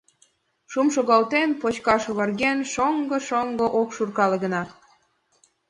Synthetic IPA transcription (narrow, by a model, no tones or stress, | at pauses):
ʃumʃoɣɑlt̪enpot͡ɕkɑʃoβɑrɣenʃoŋɡɤ̆ʃoŋɡŏʔokʃurkɑlĕɣə̆nɑ